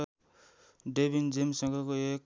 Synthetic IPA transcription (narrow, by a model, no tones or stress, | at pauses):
ɖebind͡zemsʌŋɡʌkoek